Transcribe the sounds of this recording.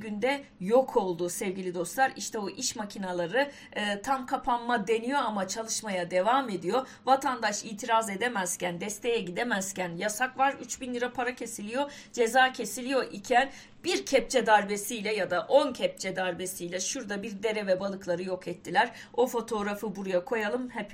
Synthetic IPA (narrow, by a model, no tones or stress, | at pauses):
ɟynd̪ɛjo̞kʰo̞lˠd̪usɛvɟilʲid̪o̞st̪lˠaɾiʃt̪ʰɛoʔiʃmacʰinalˠaɾɯ | ɯːt̪ʰamkʰapʰanmad̪e̞nijo̞amat͡ʃʰalˠɯʃmajad̪e̞vaːme̞d̪ijo̞ | vat̪ʰand̪aʃiːt̪ʰiɾaze̞d̪emæz̥cænd̪ɛst̪ʰe̞jɛɟid̪emæz̥cænjasakvaɾyt͡ʃbinlʲiɾapʰaɾacʰe̞silʲijo̞d͡ʒe̞zaːcʰe̞silʲijo̞ʔicʰæn | b̥iɾcʰɛp̚t͡ʃʰɛd̪aɾbe̞sijlʲɛjad̪aʔo̞ncʰɛp̚t͡ʃʰɛd̪aɾbe̞sijlʲɛʃuɾd̪abiɾd̪e̞ɾevɛbalˠɯklˠaɾɯjo̞kʰɛt̪ʰːilʲæɾ̥ | o̞fo̞t̪ʰo̞ɾafɯbuɾujakʰo̞jalˠɯmhɛp